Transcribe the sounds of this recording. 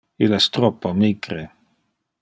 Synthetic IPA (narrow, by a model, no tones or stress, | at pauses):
ilɛst̪ɾɔpːomiɡɾe